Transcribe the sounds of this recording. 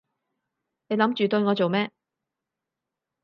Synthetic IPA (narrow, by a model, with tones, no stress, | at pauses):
ne˨˧jlɐ˨˥mt͡ʃyː˨t̪ɵ˧ɥŋɔː˨˧t͡so˨wmɛː˥